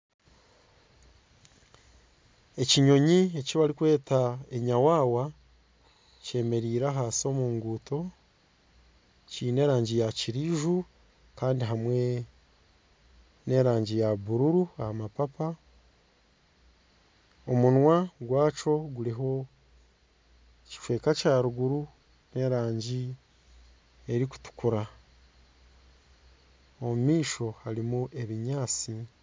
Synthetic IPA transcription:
e̞ciɲo̞ɲiecoβaɾikwe̞ːtae̞ɲawaːwa | ce̞ːme̞ɾiːɾaɦaːsio̞muːŋɡuto̞ | ciːne̞ːɾaːɲɟijaciɾiʒu | kaːndiɦamwe̞ | ne̞ɾaːɲɟijaβuɾuɾuahamapapa | omunwaɡwaːt͡ʃo̞ɡuliɦo̞ | ci̥fwe̞ːkacaɾuɡuɾu | ne̞ɾaːɲɟi | eɾiku̥tu̥kuɾa | omumiːʃo̞haɾimuʔe̞βiɲaːt͡si

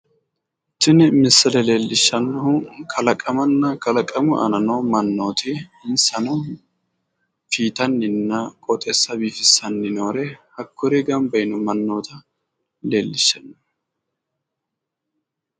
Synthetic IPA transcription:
t̪ːɪnɪmɪsːɐlɛle̞ːlːɪʃːɐnːɔhʊkʰɐlɐkʼɐmɐnːɐkɐlɐkʼɐmʊʔɐ̰nɐnomɐnːo̞ːt̪ɪɪnsɐnɔ | fiːt̪ɐnːɪnːɐkʼɔt̪ʼɛsːɐbiːfɪsːɐnːɪnoːɾɛhɐkʰːɔɾɛɡɐmbɐjnʊmɐnːo̞ːt̪ɐ | le̞ːlːɪʃːɐnːɐh

